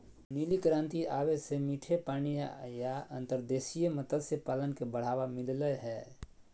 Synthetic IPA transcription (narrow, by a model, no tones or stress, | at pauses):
niːlikɾãːnt̪iaːʋesemiːʈʰepaːnijajaə̃nt̪əɾd̪eːsijemət̪əd̪sepaːlənkebəɽ̤aːʋamɪlləɦɛː